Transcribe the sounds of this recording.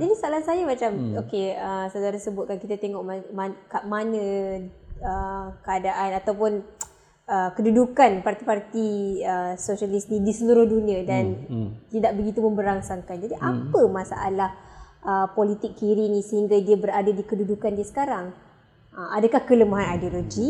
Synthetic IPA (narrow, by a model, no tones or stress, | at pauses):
d͡ʒadisaalahsajəmat͡ʃamokeəsawdaɾasəbʊt̪̚kankit̪at̪eŋɔʔmamakamanə̃ | əkəadaʔanat̪awpʊn | əkədudukanpart̪ipart̪iəsosalisnĩdisəluɾʊhdunĩadant̪idaʔ̚bəɡit̪uməmbəɾaŋsaŋkand͡ʒadiʔapəmasa̰ʔa̰lahʔəpolit̪ɪkːiɾinĩsəɦiŋɡadiabəɾadadikədudukandiasə̥kaɾaŋ | ʔəmʔadakahkələmaɦanajdioloɡi